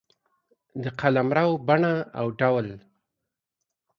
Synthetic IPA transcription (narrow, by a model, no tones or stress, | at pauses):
d̪əqʰalamɾawbaɳaawɖawl